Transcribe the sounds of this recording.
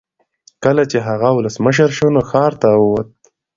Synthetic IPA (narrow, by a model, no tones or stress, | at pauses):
kəlat͡ʃeɦaɣawʊləsməʃ̬əɾʃonoxɑɾt̪awəwat̪̚